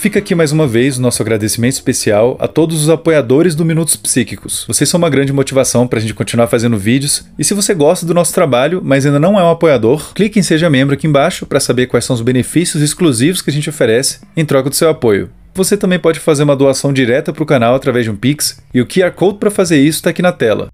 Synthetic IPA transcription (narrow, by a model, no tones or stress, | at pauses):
fikɐakimajzũmɐvejzʊnɔsʊaɡɾad̪esimẽnt̪ɪispesiawɐ̰t̪od̪ʊzʊzapojad̪oɾɪzd̪ʊminut̪ʊ̥spsikikʊ̥svosesɐ̃w̃ũmɐɡɾɐ̃nd͡ʒɪmot͡ʃivasɐ̃w̃pɾɐʒẽt͡ʃɪkõt͡ʃinuaɾfazẽnd̪ʊvid͡ʒɪʊs | ɪsɪvoseɡɔst̪ɐd̪ʊnɔsʊ̥t̪ɾabaʎʊmɐzaĩd̪ɐnɐ̃w̃ɛũapojad̪oɾklikẽj̃seʒɐmẽmbɾʊakiẽbaʃʊpɾɐsabeɾkwajsɐ̃w̃ʊzbenefisiʊzɪskluzivʊskɪaʒẽnt͡ʃɪofeɾɛsɪ̥ | ẽj̃t̪ɾɔkɐd̪ʊsewapojʊ̰ | voset̪ɐ̃mbẽj̃pɔd͡ʒɪfazeɾũmɐd̪oasɐ̃w̃d͡ʒiɾɛt̪ɐpɾʊkanawat̪ɾavɛzd͡ʒɪũpiks | ɪʊkɪaɾkowd̪̚pɾɐfazeɾisʊ̥t̪akinɐt̪ɛlɐ̰